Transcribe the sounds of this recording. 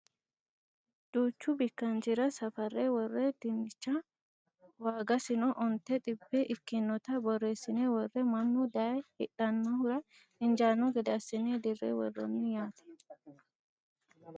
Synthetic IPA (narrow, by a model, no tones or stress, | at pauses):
d̪̥uːt͡ʃːʊbɪkːɐnd͡ʒɪɾɐsɐfɐrːewɔrːɛd̪̥ɪnːɪt͡ʃːɐ | waːɡɐsɪnɔʔɔnt̪ɛt̪ʼɪbːɛʔɪkːɪnːɔt̪ɐbɔrːeːsɪnewɔrːɛmɐnːʊd̪ɐjhɪᶑɐnːɔhʊɾɐ | ʔɪnd͡ʒaːnːɔɡɛd̪ɐsɪned̪ɪrːḛːwɔ̰rːɔ̰nːɪjaːt̪ɛ̥